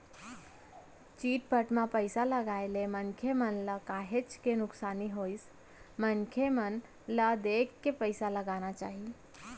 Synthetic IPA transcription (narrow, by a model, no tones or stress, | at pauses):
t͡ʃiʈ̚pəʈmapəjsaləɡajlemənkʰemənlakaɦet͡ʃkenʊksaniɦojs | mənkʰemən | lad̪ekːepəjsaləɡanat͡ʃa̰ɦi